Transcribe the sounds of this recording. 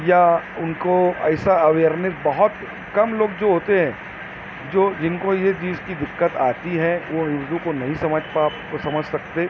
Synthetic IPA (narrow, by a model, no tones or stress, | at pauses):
jaʊnkoɛːsaɐʋeːɾnɪsbɐɦʊt̪ | kɐmloːɡd͡ʒoːɦoːt̪eɦɛ̃ | d͡ʒoːd͡ʒɪnkojed͡ʒiːskid̪ɪkːət̪aːt̪iɦɛʋonɪʋd̪ũkonɐɦĩsɐməd͡ʒpaː | sɐməd͡ʒʱsɐk̚t̪eː